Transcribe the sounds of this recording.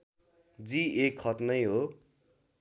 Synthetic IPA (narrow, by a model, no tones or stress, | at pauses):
d͡ziekʰʌt̪nʌjɦo